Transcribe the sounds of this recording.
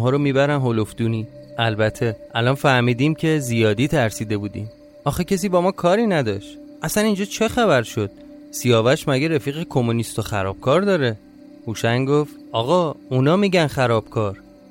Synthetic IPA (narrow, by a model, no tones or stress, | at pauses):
ɦɒːɾomiːbæɾænɦolofd̪uːniːʔælbæt̪ʰːeʔælɒnfæɾmiːd̪iːmcʰe̞zijɒːd̪iːt̪ʰæɾsiːd̪e̞buːd̪ḭːm | ʔɒːxecʰes̬iːbɒːmɒːkʰɒːɾiːnæd̪ɒːʃt̪ʔæsænind͡ʒɒːt͡ʃʰe̞xæβæɾʃo̞d̪̥̚ | sijɒːvæʃmæɟeɾefiːɣekʰomunist̪oxæɾɒ̰ːb̥̚kʰɒːɾd̪ɒːɾe | huːʃæŋɡo̞ft̪ʔɒːɣɒːunɒːmiːɟænxæɾɒːb̥̚kʰɒːɾ